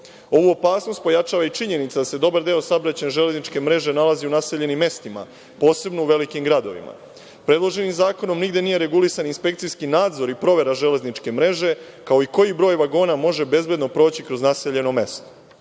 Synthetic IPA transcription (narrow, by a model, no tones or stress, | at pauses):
o̞ʋuopaːsno̞st̪po̞jat͡ʃaːʋait͡ʃiɲe̞nit̪sad̪ase̞d̪o̞baɾd̪eo̞sabɾat͡ɕe̞neʒe̞le̞znit͡ʃke̞mɾe̞ʒe̞nalaziunase̞ʎe̞nimːe̞st̪ima̰ | po̞ːse̞bno̞uʋe̞likimɡɾad̪o̞̰ʋḭma̰ | pɾe̞d̪lˠo̞ʒe̞nimzaːko̞no̞mniɡd̪je̞nije̞ɾe̞ɡulisaninspe̞kt̪ijskinaːd̪zo̞ɾipɾo̞ʋe̞ɾaʒe̞le̞znit͡ʃke̞mɾe̞ʒe̞ | kao̞iko̞jibɾo̞ːjʋaɡo̞ːnamo̞ʒe̞be̞zbje̞d̪no̞pɾo̞ːt͡ɕikɾo̞znase̞ʎe̞no̞me̞st̪o̥